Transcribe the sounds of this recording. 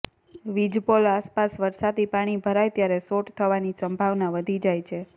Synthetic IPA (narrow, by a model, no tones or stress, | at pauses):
ʋid͡ʒpolaspasʋəɾsad̪ipaɽ̃ibʱəɾajt̪jaɾesoʈt̪ʰəʋanisəmbʱaʋnaʋəd̪ʱid͡ʒajt͡ʃʰe